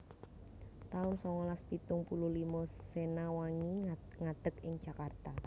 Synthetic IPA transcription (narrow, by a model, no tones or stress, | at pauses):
t̪aʊnsɔŋɔlaspit̪ʊŋpuluhlimɔsenawaŋi | ŋad̪̥əkɪŋ̥d͡ʒ̥akart̪a